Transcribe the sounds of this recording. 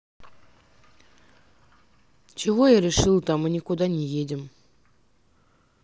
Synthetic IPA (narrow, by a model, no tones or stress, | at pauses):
t͡ɕɪvojaɾʲɪʂɨlˠt̪ɑmɨnʲikud̪anʲejedʲɪm